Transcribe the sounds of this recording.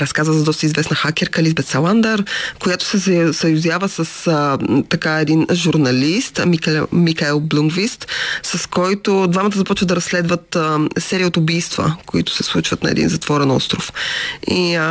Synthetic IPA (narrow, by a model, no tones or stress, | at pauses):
ɾɐskazvəzɐd̪ɔst̪əizvɛsnɐxak̟ʲɛɾkəlizbɛt̪sɛlˠand̪aɾkojat̪ʊ̥sɛsɐsɐjʊzʲjavəsɐsət̪ɐkaɛd̪inʒuɾnɐlist̪mimixaɛlˠblʲˠuŋɡvist̪sɐskɔjt̪ʊd̪vamɐt̪əzɐpɔt͡ʃvəd̪ɐɾɐsːlɛd̪vət̪əsɛɾiot̪ʊbijst̪və̰koit̪ʊ̥sɛslˠut͡ʃvət̪nɐ̰ɛ̰d̪ḭnzɐt̪v̥ɔɾɛnɔ̰st̪ɾʊfi